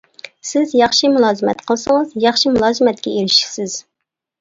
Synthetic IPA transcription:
sɪzjɑχʃimulˠɑːzɨmɛt̪qʰəlˠsɨŋəzjɑχʃimulˠɑːzɨmɛt̪̚kʲɛeɾɪʃi̥sɪz̥

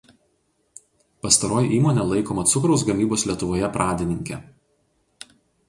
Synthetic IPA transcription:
pɐst̪ɐɾoːjʔiːmoːnʲɛlˠɐɪkoːmɐt̪sʊkɾɒʊsɡɐmʲiːboːsʲlʲiɛt̪ʊʋoːjɛpɾʔɑːd̪ʲɪnʲɪŋʲkʲɛ̰

